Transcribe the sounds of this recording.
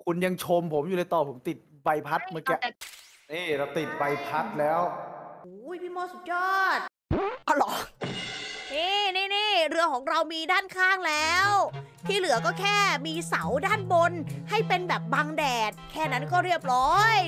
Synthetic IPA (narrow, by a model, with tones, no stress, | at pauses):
kʰu˧nja˧ŋt͡ɕʰo˧mpʰo˩˦mjuː˨˩la˧jt̪ɔː˨˩pʰo˩˦mt̪i˨˩t̪̚ba˧jpʰa˦˥t̪̚mɯ˩˦ɛ˧˩ʔ | niː˥˩ɾa˧wt̪i˨˩t̪̚ba˧jpʰa˦˥t̪̚lɛː˦˥wʔʔu˨˩˦jpʰiː˥˩mɔː˧˩su˨˩t̪̚jɔː˥˩t̪̚ | ʔʔa˧˩lɔː˨˩ | niː˥˩niː˥˩niː˥˩ɾɯ˧ɐkʰɔː˩˦ŋɾa˧wmiː˧daː˥˩nkʰaː˥˩ŋlɛː˦˥wt̪ʰiː˥˩lɯ˨˩˦ɐkɔː˥˩kʰɛː˥˩miː˧sa˩˦wdaː˥˩nbo˧nha˥˩jpe˧nbɛː˨˩p̚baː˧ŋdɛː˨˩t̪̚kʰɛː˥˩na˦˥nkɔː˥˩ɾi˥˩əp̚ɾɔː˦˥j